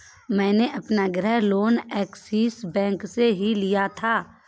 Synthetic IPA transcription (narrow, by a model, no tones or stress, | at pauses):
mɛ̃ːneʔɐpnaɡɾəɦloːnɛːksiːsbɛ̃ːkseɦilijat̪ʰaː